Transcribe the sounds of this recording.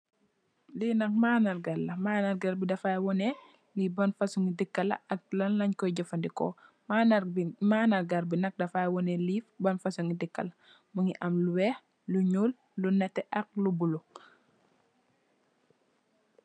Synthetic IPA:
dinɐk̚maːnɐɾɡɐlːɐmaːnɐɾɡɐɾbidɐfajwɔnɛ | libɐnfɐsuŋidikːɐlɐ̰ʔɐk̚lɐnlɐɲkɔjɟɔfɐndikɔ̰ | mamanɐɾɡɐɾbinɐk̚dɐfajwɔnɛliːfbɐnfɐsuŋidikːɐ̰lɐ | muŋiʔɐmluwɛːx | luɲul | lunɛtːɛʔɐk̚lubulu

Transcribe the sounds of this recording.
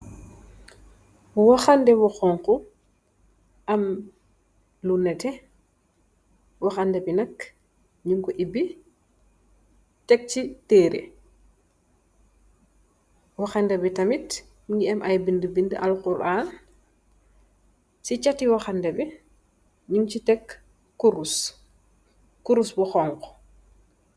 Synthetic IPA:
wɔxandɛwɔxɔŋku | ʔam | lunːɛtɛ | wɔxandɛbinak | ɲuŋkɔʔibːi | tɛk̚t͡ʃiteːɾḭ | wɔxandɛbitɐmit | ɲiɛmʔajbindəbindəʔalkuɾʔaːn | sit͡ʃatiwɔxandɛbi | ɲuŋt͡ʃitɛkː | uɾus | kuɾusbɔxɔŋkɔ̥

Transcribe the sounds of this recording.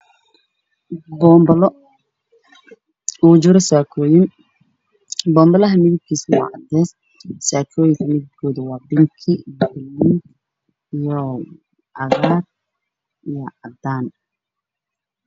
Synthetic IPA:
bɔbl | uːd͡ʒɪɾɐsaːkʰɔːjɪn | bɔːmbɐlɐɦɐmɪðɪb̚kʰiːswɑ̰ːʔɑd̪ɛːs | saːkʰɔːjɪŋkʰɐmɪðɪb̚kʰɔːðɐwɑːbɪŋkʰibbʊlːi | ijɔ | ʔɐɣaːr | ʔijɔʕɑd̪aːn

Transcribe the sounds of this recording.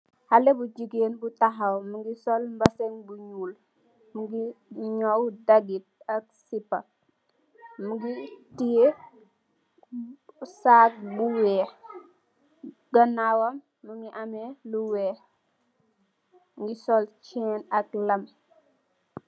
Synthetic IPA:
halɛbud͡ʒiɡeːnbutaɦɐwmuŋɡisɔlmbɐsɛŋbuɲuːl | muɡiɲɔwdaɡit̚ɐk̚sipːɐ | muɡitije | saːk̚buwɛː | ɡɐnawɐmːuŋɡiʔamɛluwɛː | ŋɡisɔlt͡ʃɛːnɐklɐm

